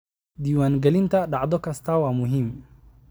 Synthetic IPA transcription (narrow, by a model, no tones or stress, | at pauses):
d̪iːwaːŋɡɛlɪnt̪ʰɐɖɑʕd̪ɔkʰɐst̪ʰaːwaːmʊɦim